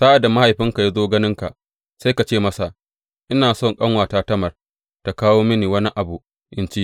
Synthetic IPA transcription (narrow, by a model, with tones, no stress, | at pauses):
sa˦ʔa˨da˨ma˦ha˨jɸɪ˦ŋka˨ja˦zoː˦ɡɐ˦nɪ˦ŋka˨ | sa˦jka˨t͡ʃeː˦mɐ˦sa˨ | ʔɪ˦naː˨sɔ˦˨ŋkʼɐ˦ŋwaː˨taː˦tɐ˦mɐ˨r | ta˨kaː˦woː˦mɪ˦niː˨wɐ˦ni˦ʔa˨bu˨ | ʔɪ˦nt͡ʃi˦ʔ